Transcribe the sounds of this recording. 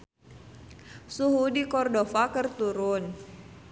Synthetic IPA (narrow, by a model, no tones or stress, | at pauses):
suɦudikɔrdofakərt̪uɾʊn